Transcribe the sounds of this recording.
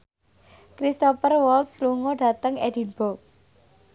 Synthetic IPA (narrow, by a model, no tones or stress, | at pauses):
kɾist̪opərwɔlt̪sluŋoɖ̥a̤t̪əŋɛd̥i̤nb̥ɔk̚